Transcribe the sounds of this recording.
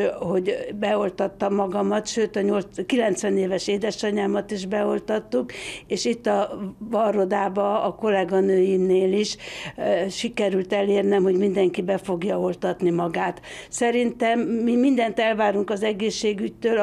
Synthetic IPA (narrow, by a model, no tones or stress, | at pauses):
ho̞ɟbɛo̞lt̪ɒt̪ːɒmːɒɡɒmɒt̪ʃøːt̪ɒɲo̞lkilɛnt̪sʋɛneːvɛʃeːd̪ɛʃɒɲaːmɒt̪iʒbɛo̞lt̪ɒt̪ːukeːʃit̪ːɒvɒro̞d̪aːbɒːko̞lɛɡɒnøːjineːliʃ | ʃikɛɾylt̪ɛleːrnɛmho̞ɟmind̪ɛŋkibɛfo̞ɡjɒo̞lt̪ɒt̪nimɒɡaːt̪sɛɾint̪ɛmːimind̪ɛnt̪ɛlvaːɾuŋkɒzɛɡeːʃːeːɡyct̪øːl